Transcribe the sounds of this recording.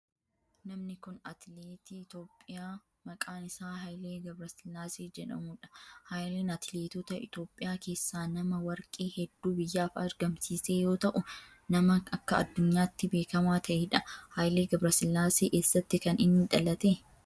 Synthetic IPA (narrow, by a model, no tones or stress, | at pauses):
nɐmnɪkʊnɐt̪leːt̪iɪt̪o̞ːpʼːɪjaː | mɐkʼaːnɪsaːɦɐjleːɡɐbɾɐsɪlːaːseːd͡ʒɛᶑɐ̰muᶑɐ̥haːjleːnɐt̪ɪleːt̪ɔt̪ɐɪ̰t̪o̞ːpʼːɪjaːke̞ːsːaːnɐmɐwɐɾkʼeːhɛd̪ːuːbɪjːaːfɐɾɡɐmsiːse̞ːjo̞ːt̪ɐʔʊ | nɐmɐɐkːɐɐ̰d̪ːʊɲːaːt̪ːɪbe̞ːkɐmaːt̪ʰɐʔeːᶑɐhɐːjle̞ːɡɐbɾɐsɪlːaːseːkeːsːɐt̪ːɪkɐnɪnːɪᶑ̪ɐlɐt̪eː